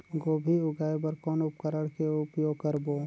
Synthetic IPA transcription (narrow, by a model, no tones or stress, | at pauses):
ɡoːbʱiʊɡaːebəɾkɔːnʊp̚kəɾəɽkeʊpjoːɡ̚kəɾboː